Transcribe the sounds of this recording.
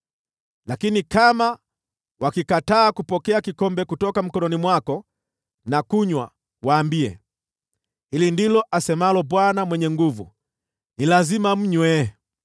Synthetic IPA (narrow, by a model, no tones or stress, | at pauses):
lakinikama | wakikataːkupɔkɛakikɔmbɛkutɔkam̩kɔnɔnimwakɔ | nakuɲwa̰ | waːmbiɛ̰ | hilindilɔʔasɛmalɔɓwanamwɛɲɛŋɡuvṵ | nilazimam̩ɲwɛ